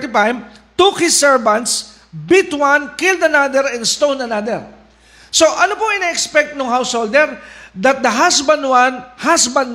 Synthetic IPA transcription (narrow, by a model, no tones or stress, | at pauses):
t̪ɪpãjmt̪ukhɪsɛɹvɐ̃nt̪s | bit̪wãnkɪld̪ɐnad̪ɛɹɛ̃nst̪ownɐnad̪ɛɹ | soʔɐnopoɪnaʔɛkspɛk̚t̪̚nʊŋɦawshold̪ɛɹd̪ɐt̪̚d̪ɐɦasbɐnwãnhasbɐn